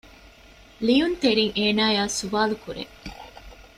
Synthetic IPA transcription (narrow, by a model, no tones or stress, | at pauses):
lijunt̪eɾiŋʔeːnaːjaːsuʋaːlukuɾḛ